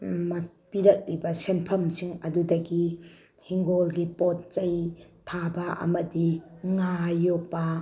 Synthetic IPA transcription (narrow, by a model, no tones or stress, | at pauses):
mɐpiɾɐk̚ɾibɐsenpʰɐmsiŋɐdudɐɡi | hiŋɡolɡipot̚t͡ʃɐjtʰabɐʔɐ̰mɐdiŋajopːɐ